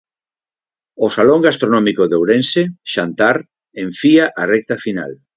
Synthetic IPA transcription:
osaloŋɡast̪ɾonɔmikoðewɾenseʃant̪aɾ | ẽɱfiaʔarɛk̚t̪afina̰l

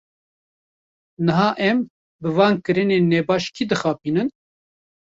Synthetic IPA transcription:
nɨɦɑːʔɛm | bɨvɑːnkɨɾɨneːnːɛːbɑːʃkʰid̪ɨxɑːpiːnɨn

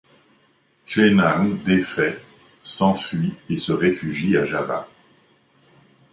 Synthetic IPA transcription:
t͡ʃenaŋd̪efɛ | sɑ̃fɥiesəʁefyʒiaʒava̰

